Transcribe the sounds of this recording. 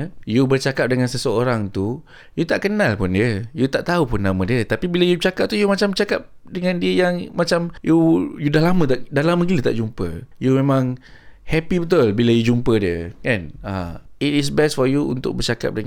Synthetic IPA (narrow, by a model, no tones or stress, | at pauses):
jubərt͡ʃakap̚dəŋãnsəsəoɾaŋt̪u | jut̪aʔkənalpʊndiəjut̪aʔt̪aupʊnːamãdiət̪apibiləjut͡ʃakap̚t̪ujumat͡ʃamt͡ʃakap̚dəŋãndiəjaŋmat͡ʃamjujudahlamə̃t̪aʔdalamə̃ɡilət̪a̰ʔd͡ʒumpə̰jumemãŋ | hɛpibət̪̬ulbiləjud͡ʒumpədiəkanaitis̬bɛstfɔjuṵnt̪ʊ̰k̚bərt͡ʃaka̰p̚də